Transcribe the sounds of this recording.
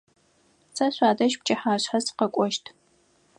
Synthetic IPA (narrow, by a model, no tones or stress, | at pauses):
t͡sʰɐɕʷaːdɐʃp̚t͡ʃʼɐħaːɕħasqɐkʷʼɔʃtʰ